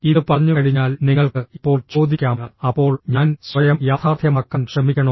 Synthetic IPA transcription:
iðɨpɐrɐɲːukɐɻiɲːaːlniŋːɐɭkɨipːo̞ːɭt͡ɕo̞ːd̪ikʲːaːmŋɐɐpːo̞ːɭɲaːnsʋɐjɐmjaːt̪ʰaːrd̪ʱjɐmɐkːɐnkʂɐmikʲːɐɳɐ

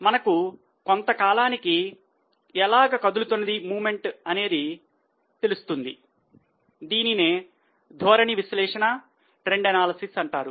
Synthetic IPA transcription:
mɐnɐku | kont̪ɐkaːlaːniki | ɛlaːɡɐkɐd̪ulut̪unːɐd̪imuːme̞ɳʈɐne̞ːd̪i | t̪e̞lust̪und̪i | d̪iːnine̞ː | d̪ʱɔːɾɐɳiʋislɛːʂɐnɐ | ʈɾeɳɖɐnaːlɐsisɐɳʈaːɾu

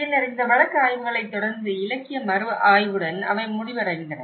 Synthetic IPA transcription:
ɪnːɐɾɪnd̪ɐʋɐɭɐkːɯaːjʋɯɣɐɭɐɪt̪ːɔɽɐɾnd̪ɯɪlɐkːɪjɐmɐɾɯaːjʋɯɽɐnɐ̰ʋɐɪmʊɽɪʋɐɾɐɣɪnd̪rɐ

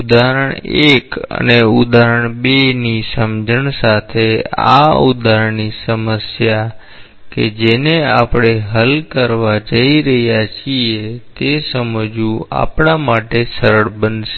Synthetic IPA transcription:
ud̪aɾəɳekə̰neud̪ʱaɾəɳbenisəmd͡ʒʱəɳsat̪ʰea̰ud̪ʱaɾəɳisəməsja | ked͡ʒeneapɽ̃eɦəlkəɾʋad͡ʒəiɾəɦjat͡ʃʰiet̪esəməd͡ʒũa̰pɳamaʈesəɾəɭbənʃe

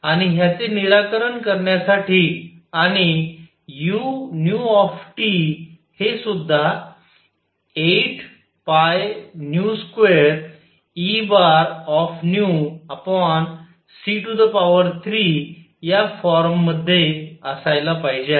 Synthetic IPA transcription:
aɽ̃iɦjat͡seniɾakəɾəɳkəɾɳjasaʈiːaɽ̃i | junjuɔfʈi | hesud̪ʱːa | eʈʰ | pajnjuskʋeɾ | ibaɾɔfnjuapɔɳ | siʈud̪əpaʋəɾt̪ʰɾi | jafɔɾmːəd̪ʱːeəsajlapaɦid͡ʑea

